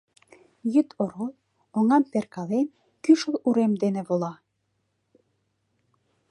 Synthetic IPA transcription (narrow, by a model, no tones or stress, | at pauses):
jyt̪ʰoɾolˠ | oŋɑmperkɑlen | kyʃə̆luɾemd̪enĕβolɑ